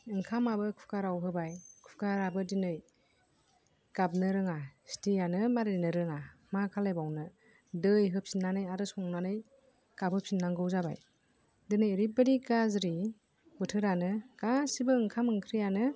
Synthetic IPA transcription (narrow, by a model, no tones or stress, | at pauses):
ɯŋkʰamabɯkʰu̥kaɾawɦɯbajkʰu̥kaɾabɯdinɯj | ɡ̥ab̚nɯɾɯŋastʰijanɯmaɾenɯɾɯŋamakʰalejbawnɯ | dɯjɦɯp̚sinːanɯjaɾɯsɔŋnanɯj | kapʰhɯp̚sinːaŋɡɯwzaba̰j | dɯnɯjɾibɯdiɡazɾi | bɯtʰɯɾanɯɡ̥asibɯɯŋkʰamɯŋkʰɾijanɯ